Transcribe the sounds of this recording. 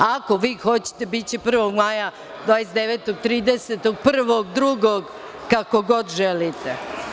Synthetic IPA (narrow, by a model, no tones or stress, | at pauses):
ako̞ʋiːxo̞t͡ɕe̥t̪e̞bit͡ɕepr̩ʋo̞ɡmaja | d̪ʋaːjesd̪eʋeːt̪oɡ̚t̪ɾiːd̪eset̪o̞ɡ̚pr̩ʋoɡd̪ɾuɡoɡ | kako̞ɡo̞d̪ʒelit̪e